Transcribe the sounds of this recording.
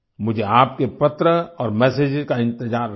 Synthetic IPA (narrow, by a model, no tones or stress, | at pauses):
mʊd͡ʒʱeaːp̚kepɐt̪ɾəɔːɾmɛːseːd͡ʒkaɪ̃nt̪ɪzaːɾ